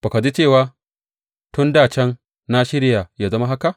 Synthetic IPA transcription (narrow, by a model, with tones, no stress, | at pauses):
b̥ɐ˨ka˨d͡ʒi˦t͡ʃeː˦˨waː˦ | tʊ˦ndaː˦˨t͡ʃɛ˦n | naː˦ʃɪ˦ɾɪ˦jaː˨jaː˦˨zɐ˦ma˦ɦa˦ka˨